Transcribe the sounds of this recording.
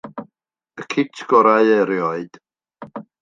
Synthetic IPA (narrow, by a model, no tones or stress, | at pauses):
əkʰɪtʰɡ̥ɔɾajɛɾjɔɨd̥